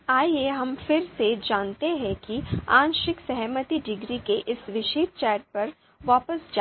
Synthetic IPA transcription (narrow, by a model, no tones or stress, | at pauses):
aːjeɦɐmfɪɾsed͡ʒaːnt̪eɦɛ̃kiãːnʃɪksɐɦɛmət̪iɖɪɡɾikeʔɪsʋɪʃeːt̪̚t͡ʃɛːʈ̚pɐɾ | ʋaːpəsd͡ʒa